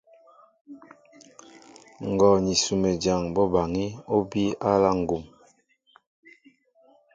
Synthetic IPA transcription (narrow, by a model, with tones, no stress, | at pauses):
ŋ˨ɡɔ˨ɲi˨su˨me˨d͡ʒa˨ŋbɔ˦ba˨ŋi˦o˦bi˦a˦la˦ŋ̩˨ɡu˨m